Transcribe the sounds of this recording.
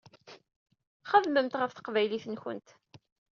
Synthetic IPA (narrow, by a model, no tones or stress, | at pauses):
χəðməmt̪ʁəfθə̥qvæjliθənçə̰nt̪